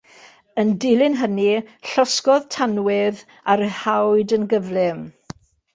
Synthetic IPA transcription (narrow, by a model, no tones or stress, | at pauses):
əndɪlˠɪnɦəniɬɔskɔðtʰanwɪð | aɾəhawdənɡəvlɪm